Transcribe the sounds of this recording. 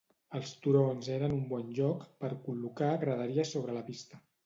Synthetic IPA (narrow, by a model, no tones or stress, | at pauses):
əlˠst̪uɾonzeɾənumbɔnʲʒɔkpəɾkulukaɣɾəð̞əɾiəsoβ̞ɾələpist̪ə